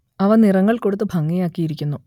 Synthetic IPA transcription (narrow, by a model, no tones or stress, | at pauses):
ɐʋɐnirɐŋːɐɭkoɽut̪ːɨbʱɐŋːijaːkːijiɾikʲːunːu